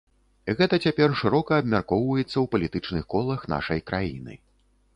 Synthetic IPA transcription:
ɣɛt̪ɐt͡sʲapʲɛrʂɨɾɔkɐːbmʲarkɔwvɐjɛt̪sːɐwpɐlʲit̪ɨt͡ʂnɨxkɔlˠɐxn̪a̰ʂɐjkɾʔajinɨ̰

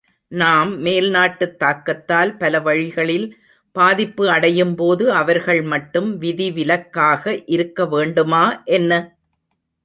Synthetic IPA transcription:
naːmːeːlnaːʈːɯt̪ːaːkːɐt̪ːaːlpɐlɐʋɐɻɪɣɐɭɪl | paːðɪpːɯɐɽɐjɯmpoːðɯɐʋɐɾɣɐɭmɐʈːɯmʋɪðiʋɪlɐkːaːɣɐʔɪɾɯkːɐʋeːɳɖɯmaːʔɛnːɐ

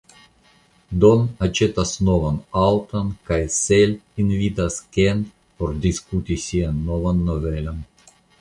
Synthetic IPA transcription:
d̪onat͡ʃet̪asnovanawt̪ɐnkajselʲinvʲit̪askʲen | pord̪ʲiskut̪ʲisʲianːovanːovelʲan

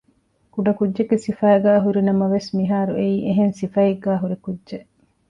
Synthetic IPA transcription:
kuɖɐkudʒeɡesifæːɡæːɦuɾinɐmɐʋesmiɦaːɾuʔeiːʔeɦensifɐjeɡæːɦuɾikudːʒeʔ

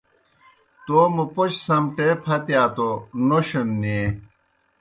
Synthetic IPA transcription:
t̪oːmupot͡ɕsɐmʈepʰɐt̪jaːt̪onoɕɐnːe

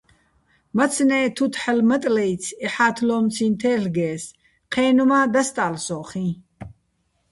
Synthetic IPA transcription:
mɐt̪t͡sʰnɛːt̪ʰut̪ʰħəlmɐt̪ʼlɛj̪t͡sʰɛħaːt̪ʰlɔːmt͡sʰĩnt̪ʰɛːɬɡɛːs | qʰɛːnumaːd̪ast̪ʼaːlsɔːχĩ

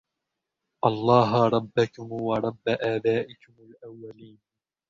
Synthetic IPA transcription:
ʔɑlˤːɑːɦɾˤɑbːakʊmwɑɾˤɑbːaʔaːbaːʔɪkʊmalʔawːaliːn

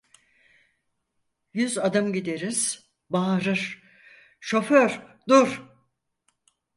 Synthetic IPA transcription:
jyzad̪ɯmɟid̪eɾiz̥ | baːɾɯɾ̥ | ʃo̞føɾd̪uɾ̥

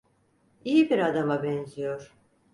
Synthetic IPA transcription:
ijibiɾad̪amabɛnzijo̞ɾ̥

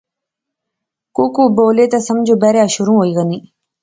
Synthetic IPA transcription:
kuːkuːboːleːt̪asəmd͡ʒobɛɾjaːʃʊɾũːɦoːiːɣəniː

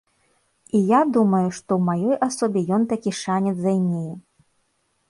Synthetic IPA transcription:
ijad̪umɐjuʂt̪ɔwmajɔjʔasɔbʲɛjɔnt̪akʲiʂanʲɛd̪zajnʲejɛ

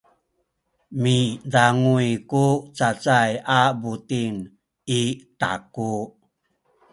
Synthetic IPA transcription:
midaŋujkut͡sat͡sajabutin | ita̰ku

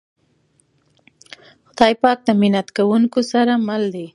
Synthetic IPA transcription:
xʊd̪ɑjpɑk̚d̪amɪnat̪kawuŋkosaɾamald̪i

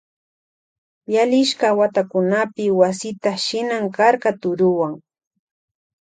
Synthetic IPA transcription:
jalɪʃkawat̪akʊnapɪwasɪt̪aʃɪnaŋkɑɾɢɑt̪ʊɾʊwaŋ

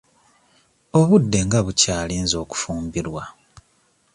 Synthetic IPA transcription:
o̞βudːe̞ŋɡaβucaːliːnzo̞ːku̥fuːmbiɾwa

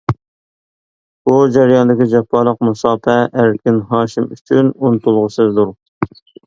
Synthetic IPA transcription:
b̥ud͡ʒæɾjɑnd̪ɪkʲid͡ʒɛpʰːɑlˠəq̚musɑːpʰɛʔæɾkʲʰɪnɦɑːʃimy̰t͡ʃʰynunt̪ʰulˠʁəsɨzd̪uɾ

